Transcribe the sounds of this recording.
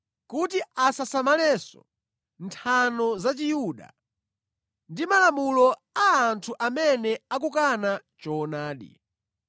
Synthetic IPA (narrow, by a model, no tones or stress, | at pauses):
kutiasasamalɛsɔ̰ | ntʰanɔzat͡ʃijuːɗa̰ | ndimalamulɔ | aːntʰuʔamɛnɛak̬ukanat͡ʃɔːnaːɗḭ